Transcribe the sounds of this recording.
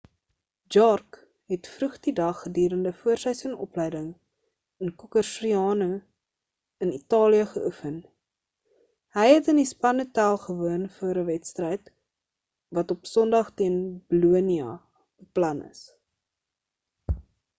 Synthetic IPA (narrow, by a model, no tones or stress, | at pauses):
d͡ʒɑrk | ɦɛtfrʉχdidɐχːədyːɾəndəfuərsəjsənɔ̰plɛjdəŋ | ənkukərsriɑːnu | ənitɑːliəχəʔufən | həjɦɛtənispɐnətælˠχəvuənfuəɾəvɛtstrəjt | vɐtɔpsɔndɐχtiənbəluəniɑ̰ | b̥əplɐnə̰s